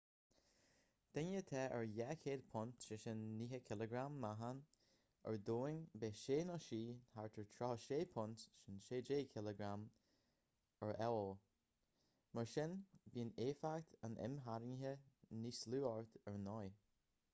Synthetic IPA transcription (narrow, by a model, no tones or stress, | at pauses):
d̪̥ɛnjət̪ʰɛːʔəɹjɛkʰeːd̪̚pʰʊntʃɪʃɪnːiːɦəkʰɪləɡɾamːaɦan | ə̰ɹdoːɪŋbeːʃeːnɔʃiːhaɹt̪ʰəɹt̪ʰɹɔhəʃeːpʰʊntʃɪnʃeːd͡ʒeːkʰɪləɡɾam | əɹɛwlˠ | məɹʃɪnbiːneːfakt̪ʰanʔɛ̰mɦaɾɪŋɪɦənisluːaɹt̪əɹnɔj